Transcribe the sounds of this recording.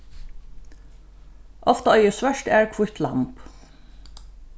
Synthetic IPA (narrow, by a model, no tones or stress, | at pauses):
ʔɔft̪aɔjəsʋœʃt̪ɛɹkʰvʊht̪la̰mp